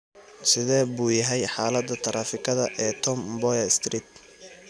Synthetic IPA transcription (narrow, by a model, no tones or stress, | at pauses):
sɪðɛːbuːjɐɦɛjħaːlɐd̪ɐt̪ʰɐɾaːfɪkʰɐðɐʔɛːt̪ʰɔmbɔjɐst̪ʰɾiːt̪